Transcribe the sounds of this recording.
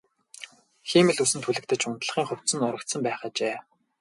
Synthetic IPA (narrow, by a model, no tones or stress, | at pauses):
xiːmɘ̆ɮusɘ̆nt̪ʰuɮɘ̆k̚t̪ʰɘ̆t͡ɕʊnt̪ɮə̆χiːŋχʊw̥ʲt̪sɘ̆nʊɾə̆kt̪sə̆mpæːχaːt͡ɕeː